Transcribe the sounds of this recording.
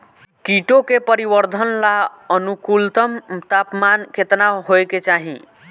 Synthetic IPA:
kiʈokepəɾibəɾd̪ʱənlaənukult̪əmt̪apmanket̪naɦojket͡ʃaɦḭ̃

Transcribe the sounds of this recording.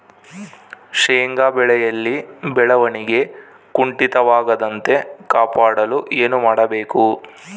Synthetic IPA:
ʂeːŋɡaːbɛɭɛjɐlːibɛɭɐʋɐniɡe̞ | kuɳʈit̪ɐʋaːɡɐd̪ɐnt̪e̞kaːpaːɽɐluʔe̞ːnumaːɽɐbe̞ːku

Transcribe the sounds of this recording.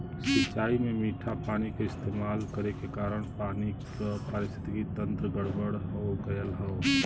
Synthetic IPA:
sɪt͡ʃːaːimemiʈʰapaːnikaɪst̪emaːlkəɾekekaːɾəɽ̃paːni | pəɾɪst̪ʰɪ̥t̪ikit̪ə̃nt̪ɾəɡəɽbəɽɦoɡəjəlɦəo

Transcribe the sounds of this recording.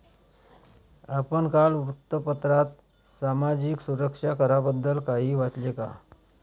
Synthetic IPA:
apəɳkalut̪ːəpət̪ɾat̪ | samad͡ʑiksuɾəkʂakəɾabəd̪ːəlkaɦiːʋat̪leka̰

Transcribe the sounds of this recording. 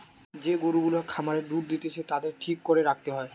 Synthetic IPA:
d͡ʑeɡoɾuɡulakʰamaɾeɾd̪uɾd̪it̪et͡ɕʰet̪ad̪eɾʈʰikːoɾeɾak̚t̪eɦɔe

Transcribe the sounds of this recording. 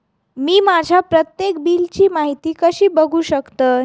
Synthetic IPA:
miːmad͡ʑʱjapɾət̪jekbiːlt͡ɕiːmaɦit̪iːkəɕiːbəɡʱuːɕəkt̪əː

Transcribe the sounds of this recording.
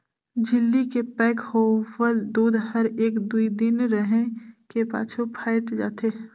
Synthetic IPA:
d͡ʒɪlːikepɛːkhoːwəld̪uːd̪ɦɐɾeːkd̪uid̪ɪnɾəɦẽkepa̰ːt͡ʃʰopʰaːɪʈd͡ʒa̰ːt̪eː

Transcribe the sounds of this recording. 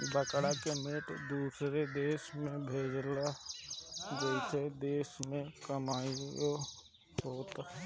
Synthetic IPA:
bəkɽakemɪʈd̪uːsɾed̪eːʃmẽbʱeːd͡ʒla | ɡ̪uːsed̪eːʃmẽkəmaːio | oːt̪

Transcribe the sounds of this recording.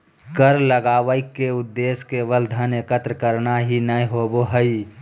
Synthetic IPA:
kəɾləɡaːʋəɪkːeʊd̪ːeːskeʋəld̪ʱənekət̪ɾəkəɾnaɦinəiɦoboɦəi

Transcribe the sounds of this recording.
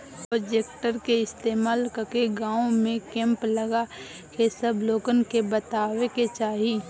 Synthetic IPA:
pɾoːd͡ʒeːkʈəɾkeɪst̪eːmaːlkəkeɡaːõmẽkɛ̃ːmpləɡa | kesəbʱloːɡənkebət̪aːweket͡ʃaːɦiː

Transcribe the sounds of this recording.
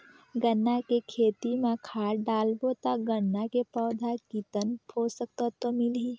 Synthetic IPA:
ɡənːakekʰeːt̪imẽkʰaːɖaːlbot̪aɡənːakepɔːd̪ʱakit̪ənpʰoːsək̚t̪at̪omɪlɦiː

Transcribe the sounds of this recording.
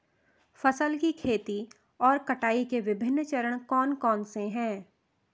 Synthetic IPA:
fɐsəlkikʰeːt̪i | ɔːɾkɐʈaːikeʋɪbʱɪnːt͡ʃəɾəɽ̃kɔːnkɔːnseɦɛ̃ː

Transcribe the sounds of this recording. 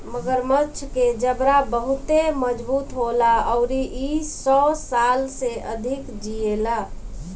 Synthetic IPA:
məɡəɾmət͡ʃʰked͡ʒəbɾabəɦut̪eməd͡ʒbuːt̪ɦolaəʊɾiʔisɔsalseʔəd̪ʱikd͡ʒiela

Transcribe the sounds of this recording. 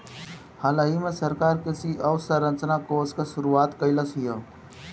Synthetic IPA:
halaɦimesəɾkaɾkesiʔəwsəɾənt͡snakoskəsuɾuat̪kəjləsɦijə

